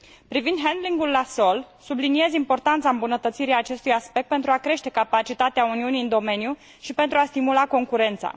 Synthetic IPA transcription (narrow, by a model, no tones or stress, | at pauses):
pɾivind̪ɦend̪liŋɡulːaso̞l | sublinie̞zimpo̞rt̪ant̪saɨmbunət̪ət̪siɾiaːt͡ʃe̞st̪ujaspe̞k̚t̪̚pe̞nt̪ɾuakɾe̞ʃt̪e̞kapat͡ʃit̪at̪eauniuniɨnd̪o̞me̞nju | ʃipe̞nt̪ɾuast̪imulako̞ŋkuɾe̞nt̪sa̰